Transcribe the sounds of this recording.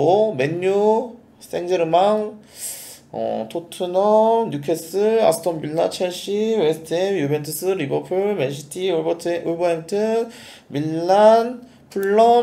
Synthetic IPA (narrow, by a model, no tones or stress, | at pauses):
ome̞ɲːu | s͈e̞ŋd͡ʑeɾɯmaŋ | ʌ̰tʰotʰɯnʌɲjukʰes͈ɯa̰sʰɯ̥tʰʌmbiɭːa̰t͡ɕʰeɭɕ͈iwesʰɯ̥tʰemjube̞ntʰɯs͈ʰɯɾibʌpʰɯɭmenɕʰi̥tʰiuɭbʌʔuɭbʌemtʰɯ | milːan | pʰuɭːʌ